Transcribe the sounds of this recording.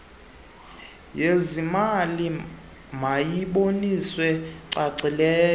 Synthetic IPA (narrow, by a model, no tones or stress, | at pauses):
jezimali | majiɓoniswɛǀaǀilɛː